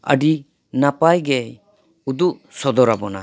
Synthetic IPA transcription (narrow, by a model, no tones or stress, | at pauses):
ə̰ɖi | napajɡɛ | ud̪uʔsɔd̪ɔɾabɔna̰